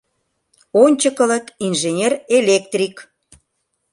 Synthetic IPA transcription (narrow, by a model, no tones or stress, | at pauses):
onʲt͡ɕəkə̆lət̪inʒenʲerelʲek̚t̪rʲik